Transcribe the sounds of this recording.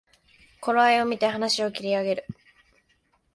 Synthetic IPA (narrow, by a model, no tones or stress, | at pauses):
ko̞ɾoaio̞mʲit̪e̞hanaɕio̞kʲiɾʲiaɡe̞ɾɯ̟